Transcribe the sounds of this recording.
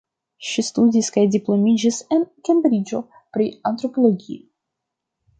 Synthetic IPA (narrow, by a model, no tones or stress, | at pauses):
ʃistudiskajdiplo̞mid͡ʒisenkʲenbɾid͡ʒo̞ | pɾiant̪ɾo̞po̞lo̞ɡʲḭo